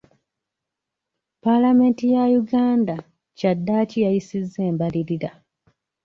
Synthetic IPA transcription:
palame̞ːntijajuɡaːnda | cadːaːcijajisizːe̞ːmbaliɾiɾa

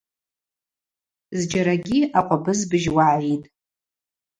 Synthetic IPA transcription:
zd͡ʒaɾaɡʲiaqʷʼabɨzbɨʒwaʕitʼ

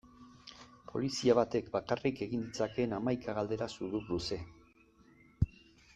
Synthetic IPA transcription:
pʰo̞̰lisiaβat̪e̞kbakarike̞ɣind̪it͡sake̞namajkaɣald̪e̞ɾasuðuβɾuse̞

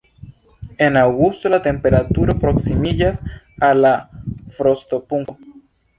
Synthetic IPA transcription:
enawɣust̪olat̪e̞mpeɾat̪uɾapɾoksimiʎas | alafɾost̪opuŋko

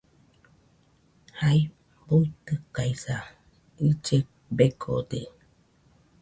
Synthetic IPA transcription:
hai | buit̪ɨkaisa | id͡ʒe | beɡʰo̰d̪e

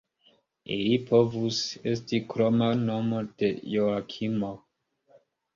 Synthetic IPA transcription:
ḭlipʰo̞vuse̞stikɾomano̞mod̥e̞joakʰimo

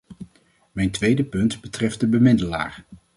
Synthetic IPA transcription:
mɛjntʋejdəpɵntbətrɛft̚dəbəmɪdəla̰ːɹ

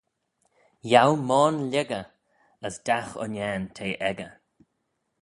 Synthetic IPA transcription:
jawmɔːnlʲɛɡə | əsd̪axʊ̰nɛːnt̪ʰeːʔɛɡə

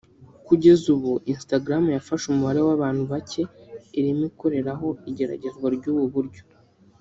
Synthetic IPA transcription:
kuɟe̞zuβuʔinstaɡɾamujafaʃumuhaɾe̞waβaːn̥huβacʰe̞iɾimiko̞ɾe̞ɾaɦo̞iɟe̞ɾa̰ɟe̞zwaɾɟuːβuβuɾɟo̞

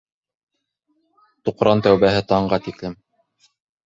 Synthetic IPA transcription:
t̪uqɾɑnt̪æwβæɦɘt̪ɑɴɢɑt̪iklɘm

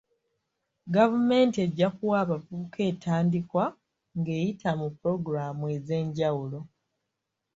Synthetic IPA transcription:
ɡavume̞ːntie̞ɟːakuwaːβavuːkʰe̞ːtʰaːndikwa | ŋɡe̞ːjitʰamupuɾo̞ɡuɾamue̞ze̞ːɲɟawulo̞

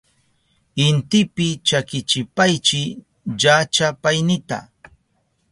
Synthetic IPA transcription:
ɪnt̪ɪpɪt͡ʃakɪt͡ʃɪpajt͡ʃɪ | ʎat͡ʃapajnɪt̪a̰

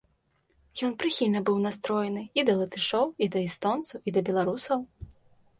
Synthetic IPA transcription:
jɔnpɾɨxʲilʲnɐbɨwnast̪ɾɔjɛnɨid̪ɐlˠɐt̪ɨʂɔwid̪ɐist̪ɔnt̪suwʔid̪ɐbʲɛlˠaɾusɐw

